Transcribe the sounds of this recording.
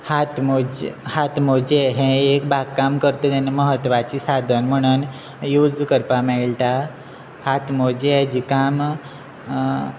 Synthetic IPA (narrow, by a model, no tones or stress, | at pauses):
hat̪mod͡ʑhat̪mod͡ʑeɦẽek̚bʱaɡkamkəɾt̪ot̪aneməɦət̪ʋat͡ɕisad̪ʱənm̤əɽ̃uːn | jud͡zkəɾpameɭʈa | hat̪mod͡ʑed͡ʑikam